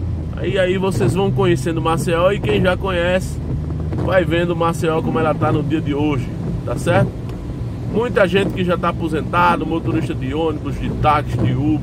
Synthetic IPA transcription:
a̰iaivosezvɐ̃w̃kõɲesẽnd̪ʊmasiɔwɪkẽj̃ʒakõɲɛsɪ̥ | vajvẽnd̪ʊmasiɔwkõmʊɛlɐt̪anʊd̪iɐd̪ɪoʒɪt̪asɛɾt̪ʊ̥ | mũj̃t̪ɐʒẽnt̪ɪ̥kɪʒat̪aːpozẽnt̪ad̪ʊmot̪oɾiʃt̪ɐd̪ɪõnibʊzd̪ɪt̪akɪsd̪ɪub

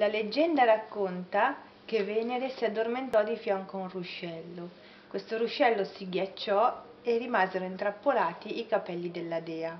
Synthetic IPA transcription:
laled͡ʒːɛnd̪aɾakːont̪a | k̟evɛːneɾesiad̪ːorment̪ɔd̪ifjɔŋkounruʃɛlːo | kwest̪oɾuʃɛlːosiɡjat͡ʃːɔ | erːimaːzeɾoint̪ɾapːolaːt̪iikapɛlːid̪elːad̪ɛːa

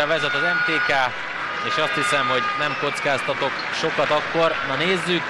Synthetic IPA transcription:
ɛvɛzɛt̪ɒzɛmt̪eːkaː | eːʃɒst̪hisɛmho̞ɟnɛmko̞t̪skaːst̪ɒt̪o̞k | ʃo̞kɒt̪ɒkːo̞rnɒneːzːyk

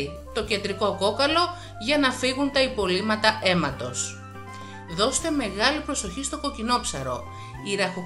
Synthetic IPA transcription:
i | t̪o̞cɐd̪ɾiko̞ko̞kɐlo̞ | ʝɐnɐfiɣunt̪ɐipo̞limɐt̪ɐe̞mɐt̪o̞s | ðo̞st̪e̞me̞ɣɐlipɾo̞so̞çist̪o̞ko̞cino̞psɐ̰ɾo̞̰ | iɾɐxo

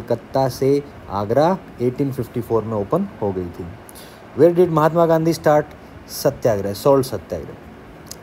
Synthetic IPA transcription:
kət̪ːase | a̰ːɡɾa | eːʈiːnfɪfʈifʰoːɾmẽoːpənhoɡɐit̪ʰiː | ʋeːɾɖɪɖmɐɦaːt̪maɡãːnd̪ʱisʈaːɾʈ | sɐt̪ːjaːɡɾasɔːlsət̪ːja̰ːɡɾḛ

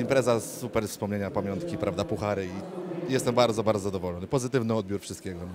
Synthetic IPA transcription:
impɾɛzasupɛɾfspɔmɲeɲapamʲjɔnt̪kʲipɾavd̪apuxaɾɘijɛst̪ɛmbaɾd̪zɔbaɾd̪ɔzad̪ɔvɔlɔnɘpɔzɘt̪ɘvnɘɔd̪bʲjuɾfʂɘst̪̚kʲeɡɔ

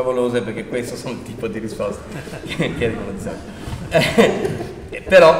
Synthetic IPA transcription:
avoloːzeperk̟ekːwest̪osoːnt̪iːpod̪iɾispɔst̪e̥ | kkaɾikolet̪sjo̰n | ɛ | peɾɔ

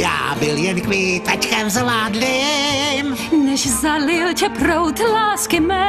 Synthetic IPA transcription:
ja̰ːbɪljɛnkʋiːt̪ackɛmzlaːd̪lɪm | nɛʃzalɪlcɛpɾowt̪laːskɪmɛ

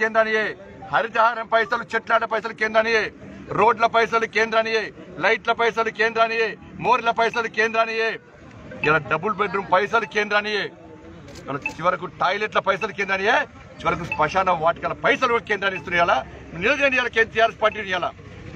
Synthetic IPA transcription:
eːnd̪ɾaːnijeː | hɐɾit̪ɐɦaːɾɐmpɐjsɐlut͡ʃeʈlaːɖɐpɐjs̬ɐlukeːnd̪ɾaːnijeː | ɾo̞ːɖlɐpɐjs̬ɐlukeːnd̪ɾaːnijeːlɐjʈlɐpɐjsɐlukeːnd̪ɾaːnijeː | moːɾilɐpɐjs̬ɐlukeːnd̪ɾaːnijeː | jɐlɐɖɐbulbeɖɾumpɐjs̬ɐlukeːnd̪ɾaːnijeː | jɐ̰lɐt͡ʃiʋɐɾɐk̬uʈaːjleʈ̬lɐpɐjs̬ɐlukeːnd̪aːnijeː | t͡ʃiʋɐɾɐk̬uspɐʂaːnɐmʋaːʈkɐlɐpɐjs̬ɐlukeːnd̪ɾaːniist̪unɐjaːlanilɐd͡ʒeːnijaːlɐket̪ijaːɾespaːɾʈ̬ːiunijaːlɐ̰

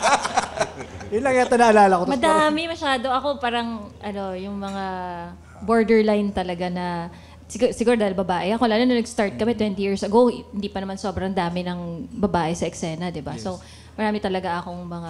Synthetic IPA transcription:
jɪlɐŋat̪onɐʔɐlaːlɐkot̪mɐd̪aːmɪmɐʃaːd̪o̞ʔɐko̞paːɾɐŋʔɐno̞jʊŋmɐŋa | bo̞ɹd̪ɛɹlajnt̪ɐlɐɡanɐ | sɪɡusɪɡuːɾɐd̪aːhɪlbɐbaːʔɛʔɐko̞laːlonɐnɐɡst̪aɹt̪̚kɐmɛt̪wɛnt̪ijiɹsɐɡo̞whɪnd̪iːpɐnɐmanso̞ːbɾɐŋd̪aːmɪnɐŋbɐbaːʔɪsɐʔɛksɛːnɐd̪ɪbaso̞ | mɐɾaːmɪt̪ɐlɐɡaʔɐko̞ŋmɐŋa

